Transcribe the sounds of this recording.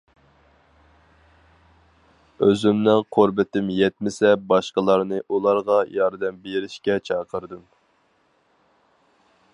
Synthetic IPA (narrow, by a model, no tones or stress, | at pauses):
øzymnɪŋqʰoɾbɪt̪ɪmjɛt̪̚mɪsɛbɑʃqəlˠɑɾnɨʔulˠɑɾʁɑjɑɾd̪ɛmbeɾɪʃkʲɛt͡ʃʰɑːqʰəɾd̪ɨm